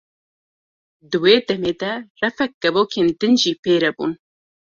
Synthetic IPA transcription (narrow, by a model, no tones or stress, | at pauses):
d̪ɨweːd̪ɛmeːd̪ɛrɛfɛk̚ɡ̥ɛvoːkʰeːnd̪ɨnʒiːpeːɾɛbṵːn